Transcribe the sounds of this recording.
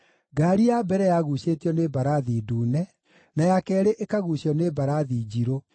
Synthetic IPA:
ɡaɾijabɛɾɛjaɣuɕetiɔnebaɾaðiduːnɛ | najakɛːɾeʔekaɣuɕɔnebaɾaðid͡ʑiɾo

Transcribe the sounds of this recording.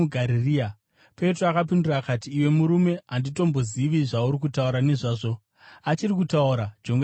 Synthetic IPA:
ɡʱaɾiriːa | pe̞troakap̬indirakatiːwe̞muɾume̞andito̞mbo̞ziʋiʐauɾik̬utauɾaneʐaːʐo | at͡ʃirik̬utauɾad͡ʒo̞ŋɡ

